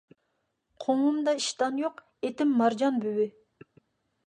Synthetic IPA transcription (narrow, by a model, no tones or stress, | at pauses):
qʰomumd̪ɑiʃt̪ɑnjoq | et̪ɪmːɑɾd͡ʒɑnbywɪ